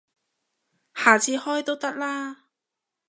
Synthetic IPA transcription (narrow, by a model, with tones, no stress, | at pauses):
haː˨˩t͡sʰiː˧hɔː˥jt̪o˥wt̪ɐ˥k̚laː˥